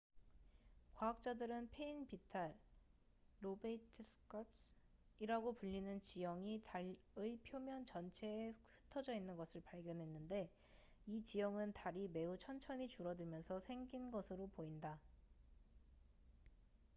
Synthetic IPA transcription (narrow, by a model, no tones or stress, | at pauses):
kwaak̚t͡ɕ͈adɯɾɯnpʰe̞inpitʰaɭː | obeitʰɯsɯ̥k͈ʰʌpsiɾaɡopuʎːinɯnt͡ɕijʌŋitaʎ | ɯipʰjomjʌnt͡ɕʌnt͡ɕʰe̞ːhɯ̥tʰʌd͡ʑʌinːɯnɡʌsʰɯɭpaɭɡjʌnɦe̞nːɯnde̞ | it͡ɕijʌŋɯntaɾime̞ut͡ɕʰʌnt͡ɕʰʌɲit͡ɕuɾʌdɯɭmjʌnsʰʌsʰe̞ŋɡinɡʌsʰɯɾopoinda